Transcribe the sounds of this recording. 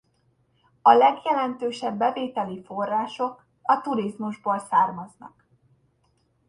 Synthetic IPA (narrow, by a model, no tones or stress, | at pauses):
ɒlɛɡjɛlɛnt̪øːʃɛbːɛveːt̪ɛlifo̞rːaːʃo̞k | ɒt̪uɾizmuʒboːlsaːrmɒznɒ̰k